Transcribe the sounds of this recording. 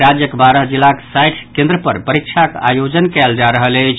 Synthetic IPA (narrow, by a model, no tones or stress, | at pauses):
ɾad͡ʒjəkbaɾəɦd͡ʒilːaksajʈʰkẽnd̪ɾəpəɾpəɾik̚t͡ʃʰaka̰jod͡ʒənkɛld͡ʒaɾəɦələjt͡ʃʰ